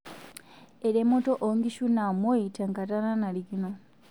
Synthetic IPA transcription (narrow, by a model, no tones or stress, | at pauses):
eɾemːotoʔoŋɡiʃunamwoitaŋkatananalikino